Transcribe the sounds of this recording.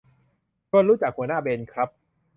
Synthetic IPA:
kʰɔ˧nɾuː˦˥t͡ɕa˨˩k̚hu˩˦naː˥˩beː˧nkʰɾa˦˥p̚

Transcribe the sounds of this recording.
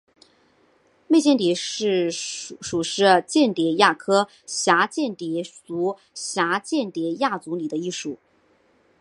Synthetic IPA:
me˥˧ɪt͡ɕjɛ˥˩nt̪̬i˨˩ʂɻ̩˥˩ʂu˨˩ʂɻ̩˥˧t͡ɕjɛ˥˩nt̪jɛ˨˩ja˥˩kʰɤ˥ | ɕja˧˥t͡ɕjɛ˥˩nt̪ɛ˨˩t͡su˧˥ | ɕja˧˥t͡ɕjɛ˥˩nt̪jɛ˨˩ja˥˩t͡su˧˥li˨˩d̪ə˦i˥˩ʂu˨˩˦

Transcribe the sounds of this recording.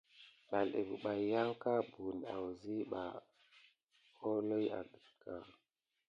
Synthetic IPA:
ɓa˨lḛ˨bu˨ɓa˨ja˦ŋka˦bu˨na̰˨wzi˦ɓa˨ | o˦lo˦ja̰˨ɡə˨ka˦˨

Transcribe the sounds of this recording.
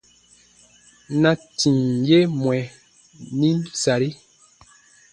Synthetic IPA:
na˨ti˨ŋje˦mwɛ˨ | ni˦nsa˨ɾi˦

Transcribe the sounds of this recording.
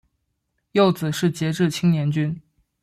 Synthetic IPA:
jo˥˩ʊt͡sɹ̩˨˩ʂɻ̩˥˩t͡ɕjɛ˧˥ʈ͡ʂɻ̩˥˩t͡ɕʰi˥ŋnjɛ˧˥nt͡ɕy˥n

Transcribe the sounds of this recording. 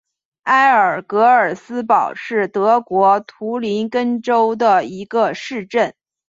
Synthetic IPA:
a˥ɪə˞˨˩kɤ˧˥ə˞˨˩sɹ̩˥pɑ˨˩ʊʂɻ̩˥˩t̪ɤ˧˥kwɔ˧˥t̪ʰu˧˥li˧˥nkə˥nʈ͡ʂo˥ʊd̪ə˨i˧˥ɡə˧ʂɻ̩˥˧ʈ͡ʂə˥˩n

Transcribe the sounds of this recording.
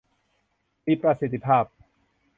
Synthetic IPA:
miː˧˩pɾa˧si˨˩t̪ʰːi˧pʰaː˥˩p̚

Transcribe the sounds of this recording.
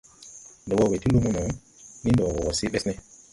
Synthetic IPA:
ndɔ˨wɔ˦˨we˨ti˦lu˦mu˦nɔ˨˦ | ni˦ndɔ˨wwɔ˨wɔ˨si˦ɓɛ˦snɛ˦

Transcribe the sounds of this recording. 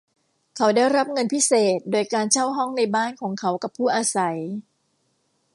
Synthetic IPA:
kʰa˩˥wdaː˥˩jɾa˦˥p̚ŋɤ˧npʰi˦˥seː˨˩t̪̚doː˧jkaː˧nt͡ɕʰa˥˩wɦɔ˥˩ŋna˧jbaː˥˩nkʰɔː˩˦ŋkʰa˦˥wka˨˩pʰːuː˥˩ʔaː˧sa˩˦j

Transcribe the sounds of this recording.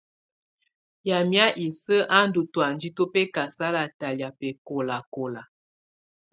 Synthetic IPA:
ja˨mja˦ʔi˨sə˦ʔa˦n˦du˨twa˨n˦d͡ʒi˦to˦pɛ˦ka˨sa˦la˨ta˨lja˨pɛ˨ko˨la˨ko˨la˨

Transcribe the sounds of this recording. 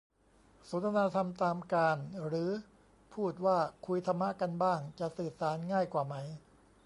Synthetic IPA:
so˩˦nt̪ʰa˧naː˧t̪ʰa˧mt̪aː˧mkaː˧nɾɯː˩˦˥ | pʰuː˥˩t̪̚waː˥˩kʰu˧jt̪ʰa˧mːa˦˥ʔka˧nbaː˥˩ŋt͡ɕa˨˩ʔsɯː˨˩t̪̚saː˩˦nŋaː˥˩jkwaː˨˩ma˦˥j

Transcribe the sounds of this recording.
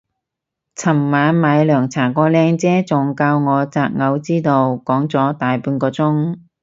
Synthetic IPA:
t͡sʰɐ˨˩mːaː˨˧˥nmaː˨˧jlœː˨˩ŋt͡sʰaː˨˩kɔː˧lɛː˧ŋt͡sɛː˥t͡sʊ˨ŋkaː˧wŋɔː˨˧t͡saː˧k̚ŋɐ˨˧wt͡siː˥t̪o˧wkɔː˨˥ŋt͡sɔː˨˥t̪aː˨jpuː˧nkɔː˧t͡sʊ˥ŋ

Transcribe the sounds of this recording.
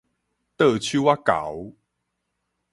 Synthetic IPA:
t̪ə˥˧˨t͡ɕʰu˦wa˦˥ka̰˨˦w

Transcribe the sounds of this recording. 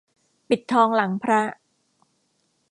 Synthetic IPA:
pi˨˩t̪ʰːɔː˧ŋla˩˦ŋpʰɾa˦˥

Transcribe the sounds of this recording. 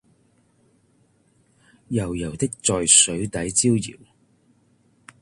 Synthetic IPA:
jɐ˨˩wjɐ˨˩wt̪ɪ˥k̚t͡sɔː˨jsɵ˨˥ɥt̪ɐ˨˥jt͡siː˥wjḭː˨˩w

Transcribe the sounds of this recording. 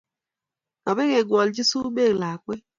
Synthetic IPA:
nɔ˨be˦ɣe˨ɡʷɔ˨ld͡ʒi˦su˦be˦˨ɣla˨kʷe˦

